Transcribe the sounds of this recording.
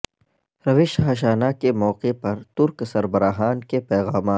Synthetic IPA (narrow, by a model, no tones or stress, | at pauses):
ɾɐʋɪʃɦaʃ̬aːnakemɔːqepɐɾt̪ʊɾksɐɾbəɾaːɦaːnkepɛːɣaːmaːt̪